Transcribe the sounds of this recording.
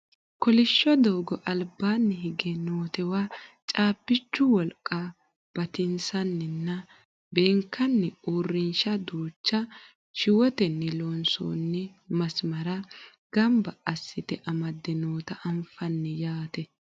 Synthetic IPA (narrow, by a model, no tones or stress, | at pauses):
kɔlɪʃːɔd̪oːɡɔʔɐlbːaːnːɛɦɪɡɛnoːt̪ɛwaːt͡ʃʼaːbːɪt͡ʃːʊwɔlkʼːa | b̥ɐt̪ɪnsɐnːɪnːɐ | beːŋkːɐnːɛuːrːɪnʃɐd̪uːt͡ʃːɐ | ʃɪwɔt̪ɛnːɛloːnso̰ːnːɛ | mɐsmɐɾɐ | ɡ̥ɐmbɐɐsːɪt̪ɛʔɐmɐd̪ːɪnoːt̪ɐʔɐmfɐnːɛjaːt̪ɛ